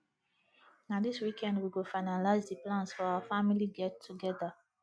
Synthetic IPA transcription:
nadiswikʰɛ̃ndwiɡofaɪnalaɪzdiplãnsfɔaəfamiliɡɛtʰːuɡɛðə

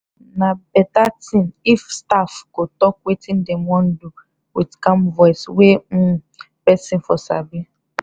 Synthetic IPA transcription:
nabɛtatĩnifstafkotɔkwetĩn̩demɔ̃n̩du | widkãmvɔiswẽ | pɛsĩnfɔsa̰bi

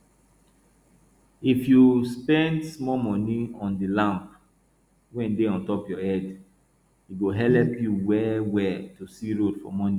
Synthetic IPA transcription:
ifjuspɛ̃ndsmɔmɔniɔ̃ndilãmp | wɛ̃nideɔ̃ntɔpjɔɛd | iɡoɦɛlɛpjuwɛwɛtusiɹodfɔ̰mɔnĩ

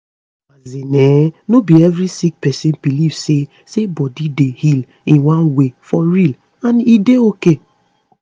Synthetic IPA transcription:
mazinenobievɾisik̚pɛsĩnbilivse | sebɔdidehil | ĩnwãnwefɔɾil | ãnideoke

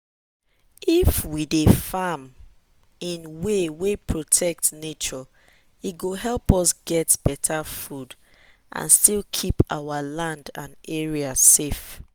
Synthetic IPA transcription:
ifwidefam | ĩnwewepʰɹotʰɛk̚tnet͡ʃɔ | it̚ɡoɦɛlˠpɔsɡɛtb̥ɛtʰafud | ʔã̰nstilkʰipawalãndã̰nɛɹiasef

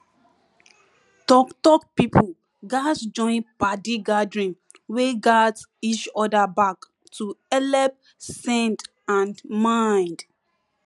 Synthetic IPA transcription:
tɔktɔkpipʰu | ɡasd͡ʒɔ̃ɪ̃npadiɡadɹĩn | weɡads | it͡ʃɔdabak | tʰuɛlɛp̚ | sɛ̃nt | ãnmãɪ̃nd

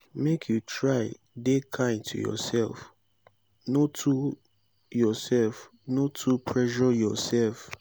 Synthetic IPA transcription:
mekʰjutʰɹaɪ | dekʰãɪ̃ntʰṵjɔ̰sɛlf | notʰu | jɔsɛlf | notʰupʰɹɛʃɔjɔsɛlf

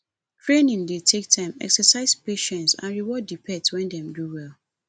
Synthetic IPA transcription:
tʰɹenĩŋdetʰek̚tʰãɪmɛ̰ksɛsaɪspeʃɛ̃ntsã̰nɹiwɔdipʰɛtwɛ̃ndɛ̃mɡɹuwɛl

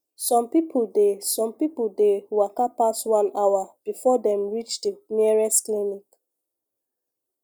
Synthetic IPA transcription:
sɔ̃mpipʰoldesɔ̃mpipuldewakapaswãnawab̥ifɔdɛ̃mɹit͡ʃdəmiəɹɛsklinik

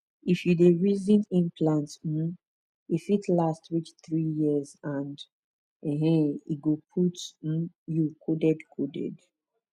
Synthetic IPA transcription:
ifjudeɹizĩnĩmpʰlãntm̩ | ifitʰlastwit͡ʃθɹijizãnd | ɛ̃ɦɛ̃ḭɡopʰutm̩ | jukʰodɛdkʰodɛ̰d

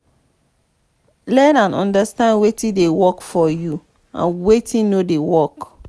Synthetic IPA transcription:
lɛtãnɔ̃ndastãndwetĩdewɔkfɔju | ã̰nwetʰĩnodewɔk

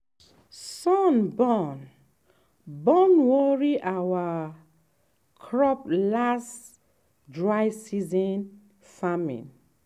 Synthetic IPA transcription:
sɔnbɔn | bɔ̃nwɔɹiʔawa | kʰɹɔplas | dɹajsizɔ̃n | famḭ̃n

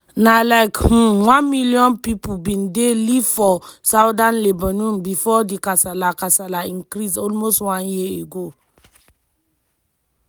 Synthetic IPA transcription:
nalaɪkhũwãnmilijɔ̃npipubĩndelifɔsaʊdãnlebanũmbifɔdikasalakasalaĩnkɾisɔlmostwãnjieɡo

